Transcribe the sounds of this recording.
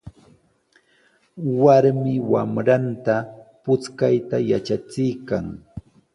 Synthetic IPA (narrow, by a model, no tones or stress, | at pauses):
waɾmɪwamɾant̪apʊt͡skajt̪ajat͡ʃat͡sɪjkaŋ